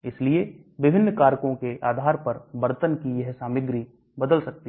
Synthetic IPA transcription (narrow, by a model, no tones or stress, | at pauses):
ɪslie | ʋɪbʱɪnːkaːɾkõkeʔaːd̪ʱaːɾpɐɾbɐɾt̪ənkijɛɦsaːmɪɡɾi | bɐd̪əlsɐk̚t̪i